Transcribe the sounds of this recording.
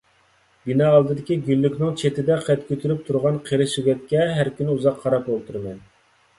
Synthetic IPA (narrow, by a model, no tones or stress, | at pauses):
binɑːlˠd̪ɨd̪ɪkʲiɡʲylːykʲnɪŋt͡ʃʰet̪ɪd̪ɛqɛt̪kʲʰøt̪ʰyɾyp̚t̪ʰuɾʁɑnqʰeɾɪʃiɡʲɛk̪̚ʲkʲːɛɦæɾkʲynɪuzɑqʰːɑɾɑpbolˠt̪ʰuɾmɛn